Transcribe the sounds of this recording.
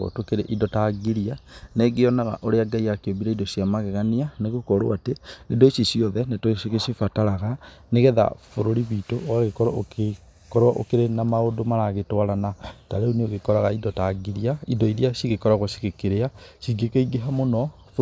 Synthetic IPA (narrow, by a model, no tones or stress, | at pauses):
ɣo̰tokeɾeʔidɔtaɡiɾianeɡeɔnaɣa̰ʔoɾeaɡaiɣakeobiɾaindɔʃiamaɣɛɣanianeɣokɔɾo̰ateedɔeʃiʃiɔðɛnetoeɣeʃifataɾaɣaneɣɛða̰foɾoɾiβitoaɣekɔɾoke | kɔɾaʔo̰keɾenamaodomaɾaɣetwaɾanataɾeoneoɣekɔɾaɣaindɔtaɡiɾiaindɔiɾiaʃiɣekɔɾaɣwaʃi̥ɣekeɾeaʃiɡekeiɡeɦamonɔ | f